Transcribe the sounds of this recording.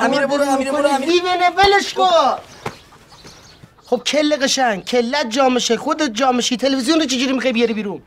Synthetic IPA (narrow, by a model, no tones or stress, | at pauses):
ɾmoniiveneveleʃbɔ | xob̚kʰelːeɣeʃæŋ̚kʰelːæt̪̚d͡ʒɒːmːeʃexod̪et̪̚d͡ʒɒːmːeʃiːt̪ʰeleviziunɾot͡ʃʰed͡ʒuːɾimixɑjbijɒɾibiːɾun